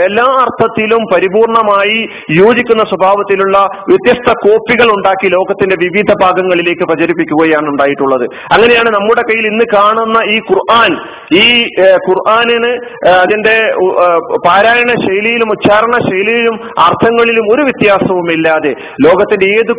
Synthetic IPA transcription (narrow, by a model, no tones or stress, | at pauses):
elːaːɐrt̪ʰɐt̪ːilumpɐɾibuːrɳɐmaːji | joːd͡ʑikʲːunːɐswɐbʱaːʋɐt̪ːiluɭːɐʋjɐt̪jɐst̪ʰɐko̞ːpːiɣɐɭuɳɖaːkːilo̞ːɡɐt̪ːinde̞ʋiʋid̪ʱɐbʱaːɡɐŋːɐɭile̞ːkːɨprɐd͡ʑɐɾipːikʲːuɣɐjaːɳuɳɖaːjiʈːuɭːɐðɨ | ɐŋːɐne̞jaːɳɨnɐmːuɽe̞kɐjːilinːɨkaːɳunːɐiːkurʔaːn | iːkurʔaːninɨɐðinde̞ | paːɾaːjɐɳɐɕɐjlijilumutɕaːɾɐɳɐɕɐjlijilum | art̪ʰɐŋːɐɭilumo̞ɾuʋjɐt̪jaːsɐʋumilːaːðe̞ | lo̞ːɡɐt̪ːinde̞eːðɨ